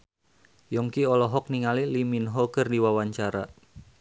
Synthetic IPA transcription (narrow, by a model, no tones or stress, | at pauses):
jɔŋkiɔlɔɦɔk̚niŋaliliminɦɔɡərdiwawaɲt͡ʃaɾa